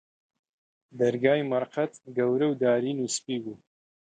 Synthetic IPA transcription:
d̪ɐɾɡaːjmɐɾqɐt̪ɡɐwɾɐwd̪aːɾiːnuspiːbuː

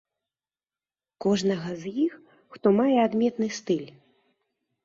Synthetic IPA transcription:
kɔʐnɐɣɐzjixː | t̪ɔmajɛad̪mʲɛt̪nɨst̪ɨlʲ

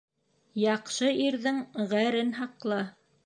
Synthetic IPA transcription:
jɑqʃɤiɾðɘŋʁæɾɘnɦɑqlˠɤ

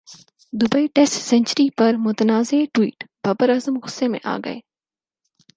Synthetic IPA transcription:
d̪ʊbəiʈesʈsɐ̃ɲt͡ʃəɾipɐɾmʊt̪ənaːzeːʈwiːʈb̥ɐbəɾazəmɣʊsemḛ̃ʔa̰ːɡɐ̰ḛː

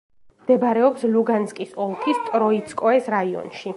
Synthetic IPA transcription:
md̪̥ɛbɾɛɔpsluɡanskʼisɔlˠkʰist̪ʼɾɔit̪sʰkʼɔɛsɾaiɔ̰nʃi

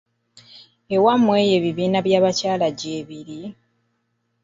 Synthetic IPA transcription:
e̞wamwe̞ːje̞ːβiβiːnaβjaːβacaːlaɟeːβiɾi

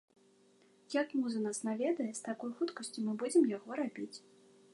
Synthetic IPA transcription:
jakmuzɐnasnavʲɛd̪ɐjɛst̪akɔjxut̪kɐsʲt͡sʲumɨbud͡zʲɪmjaɣɔɾabʲit͡sʲ

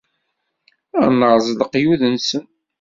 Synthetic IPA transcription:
æ̰nəɾˤzˤləqjuðənsən

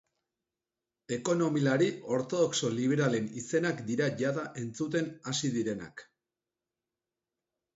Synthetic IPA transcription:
e̞ko̞no̞milaɾio̞ɾt̪o̞ð̞o̞kso̞liβ̞e̞ɾale̞nise̞nakd̪iɾaʝaðaʔe̞nt͡sut̪̬e̞nasiðiɾe̞na̰k

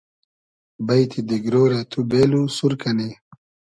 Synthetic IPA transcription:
bajt̪ʰid̪iɡɾoːɾat̪ʰubeːlusuɾkɐne

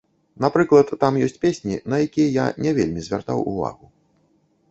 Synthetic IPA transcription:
n̪apɾɨklˠɐt̪ːamjɔsʲt͡sʲpʲesʲnʲinɐjakʲijɐja̰nʲɛvʲelʲmʲizʲvʲart̪a̰wṵva̰ɣu

